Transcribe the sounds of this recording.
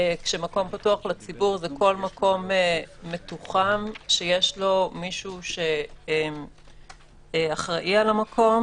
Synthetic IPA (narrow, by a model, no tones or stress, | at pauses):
kʃemako̞mpatuaχlat͡sibuʁzeko̞lmakʰo̞meːetuχamʃejeʃlo̞miʃuʃe̞em | eaχʁaʔialamakʰo̞m